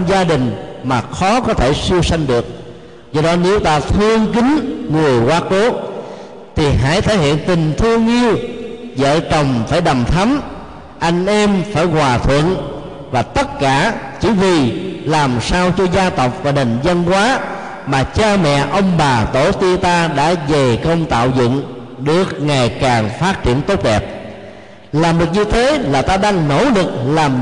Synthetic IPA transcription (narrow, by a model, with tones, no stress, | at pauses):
mzaː˧ɗï˨˩ŋ̟maː˨˩xɔ˨˦kɔ˨˦t̪ʰe˧˩si˧əwsa˧jŋ̟ɗɨ˨˩ək̚ | zɔ˧ɗɔ˨˦ne˨˦wt̪aː˧t̪ʰɨ˧əŋki˨˦ŋŋɨ˨˩əjkwaː˨˦˥ko˨˦ | t̪ʰi˨˩ɦa̰ː˧˥˩jt̪ʰəː˧˦˩jhḭ˧˨ənt̪ï˨˩ŋ̟t̪ʰɨ˧əŋʔi˧əwzə̰ː˧˨t͡ɕə˨˩wŋ͡mfaː˧˩jɗa˨˩mt̪ʰa˨˦m | ʔa˧jŋ̟ʔɛ˧mfaː˧˩jkwaː˨˩t̪ʰwə̰˧˨n | vaː˨˩t̪ə˦˥t̚kaː˧˩t͡ɕi˧˦vi˨˩laː˨˩msaː˧wt͡ɕɔ˧zaː˧t̪ə˨˩wk͡p̚vaː˨˩nə˨˩ŋzə˧nkwaː˨˦ | maː˨˩t͡ɕaː˧mɛ̰˧˨ʔə˧wŋ͡mɓaː˨˩t̪o˧˩t̪i˧t̪aː˧ɗa̰ː˧˥ve˨˩kə˧wŋ͡mt̪a̰ː˧˨wzʊ̰˧˨ŋ | ɗɨ˨˩ək̚ŋa˨˩jkaː˨˩ŋfaː˦˥t̚t͡ɕḭ˧˩ənt̪o˦˥t̚ɗɛ˨˩p̚ | laː˨˩mɗɨ˨˩ək̚ɲɨ˧t̪ʰe˨˦laː˨˩t̪aː˧ɗaː˧ŋno̰˧˥lɨ˨˩k̚laː˨˩